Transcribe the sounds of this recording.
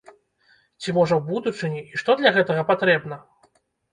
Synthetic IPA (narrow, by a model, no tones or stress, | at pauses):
t͡sʲimɔʐɐwbud̪ut͡ʂɨnʲiiʂt̪ɔd̪lʲɐɣɛt̪ɐɣɐpat̪ɾɛbn̪ɐ